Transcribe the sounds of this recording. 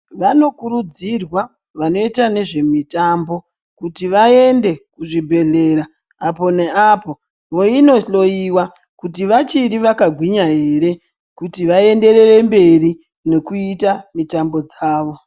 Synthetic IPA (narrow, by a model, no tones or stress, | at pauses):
ʋano̞kuɾud͡zirwa | ʋano̞itane̞ʐe̞mitambo̞ | kutiʋae̞nde̞kuʐibʱe̞ɮe̞ɾaː | po̞ne̞apo̞ | ʋo̞ino̞ɬo̞jiwa | kutiʋat͡ʃiɾiʋakaɡʱwiɲaɦe̞ːɾe̞ | kutiʋae̞nde̞re̞re̞mbe̞ri | ne̞kuitamitambo̞d͡zaːʋo̞